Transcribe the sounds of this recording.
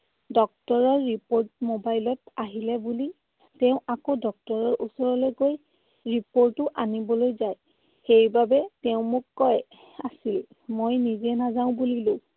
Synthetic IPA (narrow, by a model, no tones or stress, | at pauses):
dɔk̚tɔɹɔɹːipoɹt̚mobajlɔtaɦilɛbuli | tɛʊ̃ʔakodɔk̚tɔɹɔɹʔusɔɹɔlojɡoj | ɹipoɹtʊʔanibɔlojzaj | xejbabɛtɛʊ̃mʊkːɔj | asil | mojnizɛnazaʊ̃bulilʊ